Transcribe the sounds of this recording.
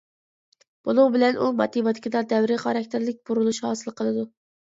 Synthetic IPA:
b̥olˠuŋbɪlɛnʔumɑ̰t̪ibɑt̪kʲid̪ɑd̪ɛwɾɪχɑɾɑk̚ʲt̪ʰɪɾlɪk̚ʲb̥uɾulˠuʃhɑːsɨlˠqʰəlˠɨd̪u

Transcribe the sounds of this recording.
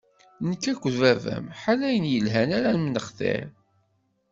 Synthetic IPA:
nəkːækʷːvævæ̰mħalːæjənjəlɦænæɾænmənəχθḛɾ

